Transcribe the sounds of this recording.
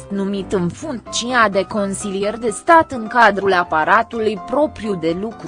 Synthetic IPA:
t̪numit̪ɨnfuŋkt͡ʃiad̪e̞ko̞nsilijerʲd̪e̞st̪at̪ɨŋkad̪ɾulapaɾat̪ulujpɾo̞pɾijud̪e̞lukɾ

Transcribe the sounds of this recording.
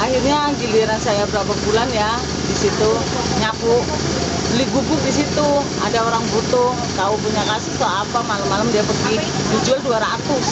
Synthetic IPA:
ʔahirɲaɡiliɾansajabəɾapabulanja | disit̪u | ɲakʊ | liɡuɡʊk̚dis̬it̪u | adaoɾaŋbut̪ʊŋt̪aupuɲakasət̪oapamalamːalamdiapərɡi | d͡ʒud͡ʒualduaɾat̪ʊs

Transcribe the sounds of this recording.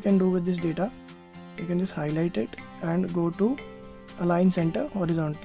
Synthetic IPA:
kɛ̃nɖuːʋɪd̪ːɪs̬ɖeːʈa | jukɛ̃nd͡ʒʌsʈhaɪlaɪʈeɖ | ɛ̃ɳɖɡoːʈu | ɐlãɪ̃nsɛ̃ɳʈəɾhɔːɾɪzɔ̃ːɳʈəl

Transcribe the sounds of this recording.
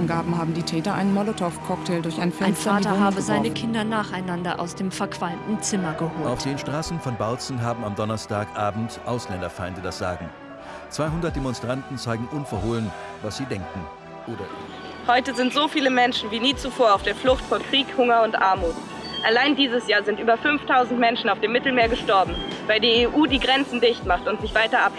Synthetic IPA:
nɡaːbm̩haːbm̩diːtʰɛːtɐʔa̰ɪnmɔlotʰɔfkʰɔk̚tʰeːldʊɐçʔaɪnfɛaɐɪnfɛaːtɐhaːbəzaɪnəkʰɪndɐnaːχaɪnandɐʔa̰ʊsd̥eːmfɛɐkv̥almtn̩t͡sɪmɐɡəhoːaʊfd̥iːɪnʃtʁ̥aːsn̩fɔnbalt͡sn̩ɦaːbm̩amdɔnɐstaːkʔaːbm̩tʔaʊslɛndɐfaɪ̃ndədasz̥aːɡŋ̩ | t͡sv̥aɪɦʊndɐt̚d̥emɔnstʁ̥antn̩t͡saɪɡŋ̩ʔʊnfoɐhoːlən | vasz̥iːdɛŋkn̩ | ʔoːdɐ | hɔʏtəzɪntz̥oːfiːləmɛnʃn̩viːniːt͡sufoːɐaʊfd̥eːɐflʊxtfoːɐkʁ̥iːkhʊŋɐʊntʔa̰ɐmuːt | ʔalaɪndiːzəsjaːɐzɪntʔyːbɐfʏnftʰaʊzn̩tmɛnʃn̩aʊfd̥eːmːɪtl̩meːɐɡəʃtɔɐbm̩vaɪldiːeːʔuːdiːɡʁɛnt͡sn̩dɪçtmaχtʊntz̥ɪçv̥aɪtɐʔap

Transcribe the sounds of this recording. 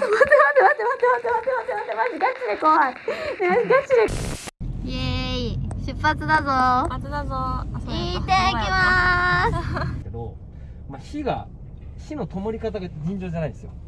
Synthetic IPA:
mat̪emat̪emat̪emat̪emat̪emat̪emat̪emat̪emaziɡat͡ɕːiɾekoːaneaɡat͡ɕːiɾe | eiɕɨpːat͡sɨd̪azot͡sɨd̪azoit̪ekʲimasked̪o̞ | maçiɡa̰ | çino̞t̪o̞mo̞ɾʲikat̪aɡad͡ʑĩɲ̟d͡ʑo̞ːd͡ʑanaid̪esɨjo

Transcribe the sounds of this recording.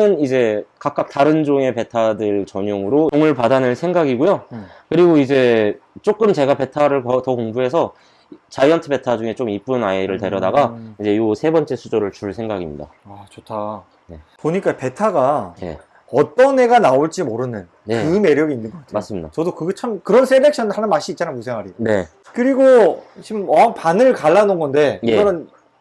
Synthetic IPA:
ɯnid͡ʑe̞kak͈ak̚taɾɯnd͡ʑoŋe̞pe̞tʰadɯɭt͡ɕʌɲoŋɯɾooŋɯɭpadanɯɭsʰe̞ŋɡaɡiɡojo | kɯɾiɡoid͡ʑe̞ | t͡ɕ͈ok͈ɯmt͡ɕe̞ɡape̞tʰaɾɯɭkʌtʌkoŋbuɦe̞sʰʌ | t͡ɕajʌntʰɯbe̞tʰad͡ʑuŋe̞t͡ɕomip͈unaeɾɯɭte̞ɾjʌdaɡaid͡ʑe̞josʰebʌnt͡ɕ͈e̞sʰud͡ʑoɾɯɭt͡ɕuɭsʰe̞ŋɡaɡimɲḭda̰at͡ɕotʰa | ne̞poɲik͈ape̞tʰaɡajḛ | ʌt͈ʌnɦe̞ɡanaoɭt͡ɕ͈imoɾɯnɯn | jekɯme̞ɾjʌɡiːnːɯnɡʌk͈atʰmas͈ɯmɲidat͡ɕʌdokɯɡet͡ɕʰamkɯɾʌns͈ʰele̞k̚ɕ͈ʰʌnhanɯnmaɕ͈iit̚t͡ɕ͈anamusʰeŋwaɾine̞ | kɯɾiɡot͡ɕimʌaŋpanɯɭkaɭːanonɡʌnde̞eʌɾʌn

